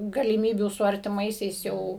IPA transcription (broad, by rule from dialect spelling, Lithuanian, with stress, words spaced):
ɡɐlʲɪˈmʲiːbʲuː sʊ ɐrʲtʲɪˈmɐɪsʲɛɪs ˈjɛʊ